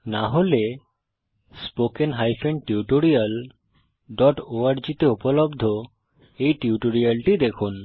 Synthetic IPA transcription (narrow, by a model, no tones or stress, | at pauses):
naɦole | spokenɦajfʰeɳɖʈiuʈoɾial | ɖɔʈoaɾd͡ʑit̪eupolobd̪ʱo | ejʈiuʈoɾialʈid̪ekʰun